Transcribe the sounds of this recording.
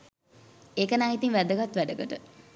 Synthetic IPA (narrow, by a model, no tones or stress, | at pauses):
eːkənaːit̪iŋʋæd̪əɡat̪ʋæɖəɡəʈə